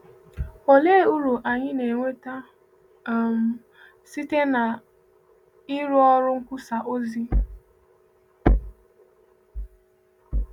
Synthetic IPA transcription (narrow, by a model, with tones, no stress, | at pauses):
o˨le˦˨u˦ɾu˨ʔa˨ɲɪ˦ne˨ŋʷe˦ta˦ | m̩˨ | si˦te˦na˨ | ɪ˦ɾʊ˦ɔ˦ɾʊ˦ŋ̩˦kʷu˦sa˨ʔo˦zi˦